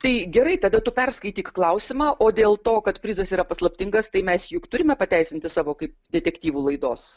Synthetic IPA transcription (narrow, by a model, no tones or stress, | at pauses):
t̪ɐɪɡʲɛɾɐɪt̪ɐd̪ɐt̪ʊpʲɛrskɐɪt̪ʲiːkklˠɐʊsʲɪmɑːʔoːd̪ʲeːlˠt̪oːkɐt̪pʲɾʲɪzɐsiːɾɐpɐslˠɐpʲt̪ʲɪŋɡɐst̪ɐɪmʲɛsjʊkt̪ʊɾʲɪmʲɛpɐt̪ʲæɪsʲɪnʲt̪ʲɪsɑːʋoːkɐɪp̚d̪ʲɛt̪ʲɛkt̪ʲiːʋuːlˠɐɪd̪oːs